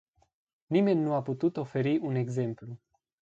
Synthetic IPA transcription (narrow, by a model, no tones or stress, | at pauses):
nime̞nʲːuaput̪ut̪o̞fe̞ɾiune̞ɡze̞mplu